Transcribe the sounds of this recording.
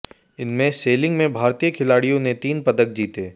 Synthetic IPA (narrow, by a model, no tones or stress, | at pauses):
ɪnmẽseːlɪ̃ŋɡmẽbʱaːɾt̪ijəkʰɪlaːɽijõnet̪iːnpɐd̪ək̚d͡ʒiːt̪eː